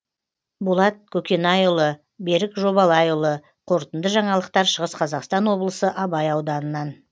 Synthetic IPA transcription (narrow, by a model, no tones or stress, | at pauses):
bulˠɑt̪̚kʲʰɵkʲe̞nɑjʊlˠə | be̞ɾɪkʒo̞βɑlˠɑjʊlˠə | qʰoɾt̪ənd̪əʒɑɴɑlˠəq̚t̪ɑɾʃəʁəsqʰɑzɑqst̪ɑnwo̞blˠəsəʔɑbɑjɑwd̪ɑnənɑn